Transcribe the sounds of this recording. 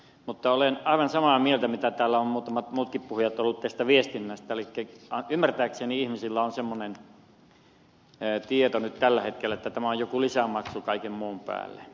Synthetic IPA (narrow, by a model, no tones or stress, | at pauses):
mut̪ːɑolenɑˑiʋɑnsɑmɑmielt̪æmit̪æt̪æːlːæommuːt̪ɑmɑt̪muːt̪kippuhujɑt̪olːut̪t̪æst̪æʋiest̪inːæst̪æelikːæɑymːært̪æːkseniihmisilːæonsemːonen | t̪iet̪onyt̪t̪ælːæhet̪kelːˑæet̪ːæt̪æmæojjokulisæmɑksukɑikemmuːmpæ̰ːlːe